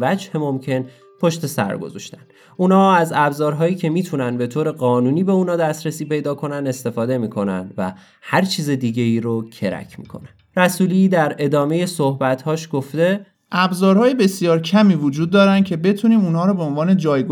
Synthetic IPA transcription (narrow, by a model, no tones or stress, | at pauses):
væd͡ʒhe̞mo̞mcʰe̞n | pʰoʃt̪e̞sæ̰ɾɡo̞̰zɒ̰ʃt̪æ̥n | unhɒːæzæbzɒːɾɦɒːjiːcʰe̞miːt̪ʰunænbe̞t̪ʰoːɾe̞ɢɒːnuːniːbe̞uːnɒːd̪æst̪ɾæsiːpe̞jd̪ɒːkʰo̞nænd̪e̞st̪e̞fɒːd̪e̞miːkʰo̞næ̰nd̪væ̰ | hæɾt͡ʃʰiːze̞d̪iːɟe̞iːɾocʰe̞ɾæ̰cʰmḭːkʰo̞̰næn | ɾæsuːlid̪æɾe̞d̪ɒːme̞je̞sohbæt̪hɒːʃɡ̥oft̪e̞ | ʔæbzɒːɾhɒːjebe̞sijɒːɾcʰæmiːvud͡ʒuːd̪̚ːɒːɾænd̪̚cʰe̞be̞t̪ʰuniːmunɦɒːɾobeonvɒːned͡ʒɒːjɡ